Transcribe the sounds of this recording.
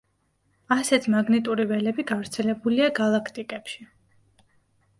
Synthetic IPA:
asɛt̪ʰmaɡnit̪ʼuɾivɛlɛbiɡavɾt̪sʰɛlɛbuliaɡalˠakʰt̪ʼikʼɛpʃi

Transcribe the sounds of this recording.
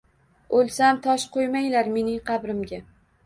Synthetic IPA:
olˠsamt̪ʰɒʃqʰojmajlaɾme̞nɪŋqʰɑbɾɪmɡʲa

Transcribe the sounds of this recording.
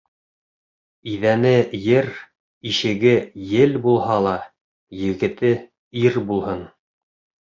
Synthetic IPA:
iðænɘjɘɾ | iʃɘ̆ɡɘjɘlbulˠɦɑlˠɑ | jɘ̆ɡɘ̆t̪ɘ | iɾbulˠhɤn

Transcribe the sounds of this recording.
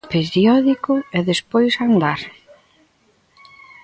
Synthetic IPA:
peɾjɔðikʊɛðespojsand̪aɾ

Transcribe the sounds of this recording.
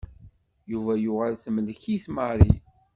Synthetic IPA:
juvæjuʁælθmələçiθməɾˤi

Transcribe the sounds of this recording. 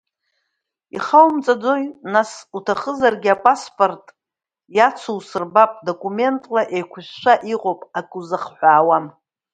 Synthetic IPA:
ḭχawmt͡sʼad͡zo̞jnasutʰaχəzarɡʲɪapʼaspʼo̞rtʼ | jat͡sʰuwsɨrbapʼdo̞kʼume̞ntʼlaʔejkʷʰʊʃʷᶣʃʷaʔiqʼowpʼakʼuzɨχħʷᶣaːwam

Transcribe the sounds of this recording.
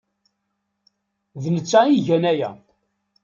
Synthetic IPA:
ðnət͡sːæiʝænæjæ̰

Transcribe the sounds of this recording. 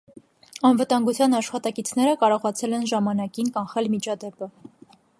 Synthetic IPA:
ɑnvət̪ɑŋɡut͡sʰjɑnɑʃχɑt̪ɑkit͡sʰnɛɾəkɑɾɔʁɑt͡sʰɛlɛnʒɑmɑnɑkinkɑnχɛlmit͡ʃʰɑd̪ɛpə

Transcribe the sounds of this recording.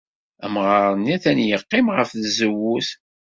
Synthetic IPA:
ə̰mʁɑɾˤənæθænjəqːɪmʁəfðzəwːuθ

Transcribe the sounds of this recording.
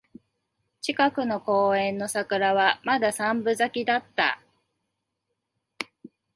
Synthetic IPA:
t͡ɕikakɯ̟no̞ko̞ːẽ̞nːo̞sakɯ̟ɾaβamad̪asãmbɯ̟zakʲid̪at̪ːa̰

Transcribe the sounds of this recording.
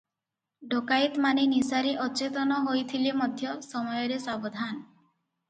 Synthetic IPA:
ɖʱokajt̪manenisaɾeʔɔt͡ʃet̪ɔnɔɦojt̪ʰilemɔd̪ʱjɔsɔmɔjɔɾesabɔd̪ʱan

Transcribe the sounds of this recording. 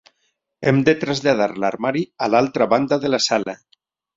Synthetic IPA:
ɛmd̪et̪ɾazʎaðaɾla̰ɾmaɾialalˠt̪ɾaβand̪aðelasala

